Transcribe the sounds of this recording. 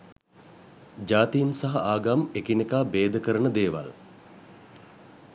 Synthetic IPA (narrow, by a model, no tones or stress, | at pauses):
d͡ʒaːt̪ijinsaɦɐʔaːɡamekinekaːbeːd̪əkəɾənəd̪eːʋa̰l